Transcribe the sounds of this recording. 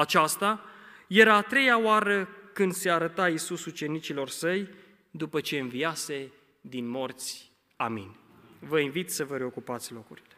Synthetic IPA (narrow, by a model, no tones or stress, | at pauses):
at͡ʃast̪aje̞ɾaːt̪ɾe̞jaoaɾəkɨnd̪se̞aɾət̪aisusut͡ʃe̞nit͡ʃilo̞rsəj | d̪upət͡ʃe̞ɨnvijase̞ | d̪inmo̞rt̪sʲ | amḭnʲvəinvit̪səvəɾe̞o̞kupat̪sʲlo̞kuɾile